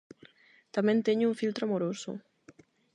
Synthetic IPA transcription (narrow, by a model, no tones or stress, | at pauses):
t̪amẽnt̪eɲʊuɱfilt̪ɾoamoɾosʊ̰